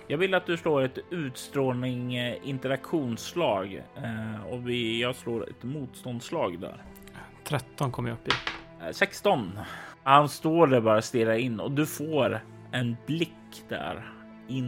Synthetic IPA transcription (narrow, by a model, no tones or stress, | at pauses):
jɑːɡvɪlːat̪̚d̪ɵsloːɾɛt̪ʉ̟ːt̪st̪ɾoːnɪŋɪnt̪ɛɾakɧuːnslɑːɡ | ɔvɪjɑɡsloːɾɛ̰t̪muːt̪st̪ɔnd̪slɑːɡd̪æ̰ɾ | t̪ʰɾɛt̪ːɔnkʰɔmːjaɵpːɪ | sɛkst̪ɔnhanst̪oːɖæɾbɑːɾast̪ɪɾaɪnːɔ̰d̪ɵfoːɾ | ɛnblɪkːd̪̥æ̰ɾ | ɪn